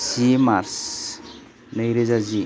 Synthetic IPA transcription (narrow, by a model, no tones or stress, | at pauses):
simaɾs | nəjɾezazi